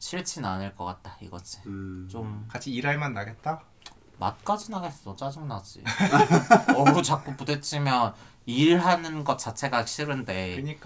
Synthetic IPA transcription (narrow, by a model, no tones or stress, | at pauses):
ɕʰiɭt͡ɕʰinanɯɭk͈ʌk͈at̚t͈aiɡʌ̰d͡ʑʰit͡ɕ͈omkat͡ɕʰiiɾaɭmanːaɡet̚t͈a | ma̰t̚k͈ad͡ʑinaɡe̞s͈ʌt͡ɕ͈ad͡ʑɯŋnad͡ʑḭ | ʌɾut͡ɕak̚k͈upudet͡ɕ͈ʰimjʌn | iɭɦanɯnɡʌt̚t͡ɕ͈at͡ɕʰe̞ɡaɕ͈ʰiɾɯnde̞ɯɲik͈a